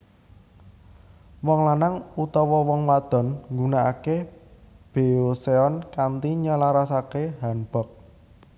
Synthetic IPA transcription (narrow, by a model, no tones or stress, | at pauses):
wɔŋlanaŋut̪ɔwɔwɔŋwad̪̥ɔ̤nŋɡunaʔa̰ke | b̥e̤oseɔnkant̪iɲalaɾasakeɦanb̥ɔ̤k̚